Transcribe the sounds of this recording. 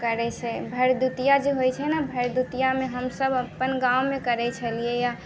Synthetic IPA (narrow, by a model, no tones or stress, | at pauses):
kəɾɛt͡ʃʰɛbʱəɾd̪ut̪ijad͡ʒeɦojt͡ʃʰɛnabʱəɾd̪ut̪ijamẽɦəmsəbəpːənɡawmẽkəɾɛt͡ʃʰəliɛja